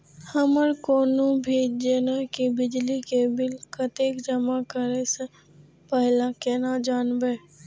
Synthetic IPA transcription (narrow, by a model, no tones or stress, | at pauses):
həməɾkoːnõbʱid͡ʒeːnakibɪd͡ʒlikebɪlkət̪eːkd͡ʒəmakəɾese | pɛɦlakeːnad͡ʒaːnbeː